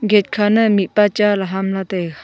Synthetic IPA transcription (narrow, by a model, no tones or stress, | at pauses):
ɡet̚kʰanəmit̚pat͡ʃalaɦamlat̪ej